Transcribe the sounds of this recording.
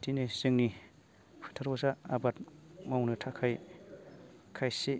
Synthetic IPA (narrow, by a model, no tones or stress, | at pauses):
dinez̥ɯŋni | pʰɯ̥tʰaɾbazaa̰bat̚mawnɯtʰakʰaj | kʰajse